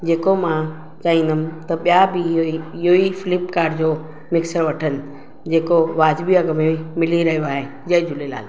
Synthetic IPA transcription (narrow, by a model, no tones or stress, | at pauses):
d͡ʑeːkomã | t͡ɕaːĩn̆d̪əmɪ̆t̪ɐɓijabɪiɪɦoifɪlɪpkaːɾɖd͡ʑoː | mɪksəɾʋɐʈʰənɪ̆ | d͡ʑeːkoʋaːd͡ʑbiaɡəmemɪliɾɐɦijoaːɦe | d͡ʑɐɦɪ̃d͡ʑʊlela̰ːl